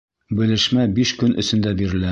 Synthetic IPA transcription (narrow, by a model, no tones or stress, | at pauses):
bɘ̆lɘ̆ʃmæbiʃkɵnʔɵ̰̆sɵ̆nd̪æbiɾɘ̆læ